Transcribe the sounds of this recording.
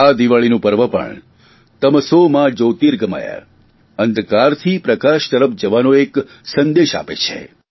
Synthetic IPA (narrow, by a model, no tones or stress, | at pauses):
ad̪iʋaɭinũpəɾʋəpə̰ɳ | t̪əmsomãd͡ʒoːt̪iɾɡəma̰ja̰ | ə̃nd̪kaɾt̪ʰipɾəkaʃt̪əɾəpʰd͡ʒəʋanõek | sə̃nd̪eʃa̰pḛt͡ʃʰḛ